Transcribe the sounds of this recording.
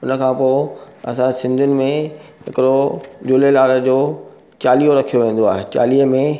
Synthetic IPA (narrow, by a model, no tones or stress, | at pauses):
ʊnə̆kʰãːpoːɪ | ɐsãsɪ̃nd̪ʱʊnɪ̆mẽɦɪkɪɾod͡ʑʊlelaːɡd͡ʑoː | t͡ɕaːliːoɾɐkʰijoʋẽːn̆d̪oaːɦet͡ɕa̰ːliːəmẽ